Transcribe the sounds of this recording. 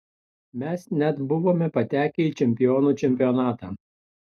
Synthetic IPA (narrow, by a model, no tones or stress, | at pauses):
mʲɛsnʲɛt̪bʊʋoːmʲɛpɐt̪ʲæːkʲɛit͡ʃʲɛmʲpʲɪjoːnuːt͡ʃʲɛmʲpʲɪjɔnɑːt̪ɑː